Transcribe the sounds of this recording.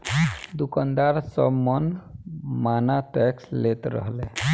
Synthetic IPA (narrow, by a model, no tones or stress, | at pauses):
d̪ukand̪aɾsɔbmɔn | manatɛkslet̪ɾɔ̰ɦle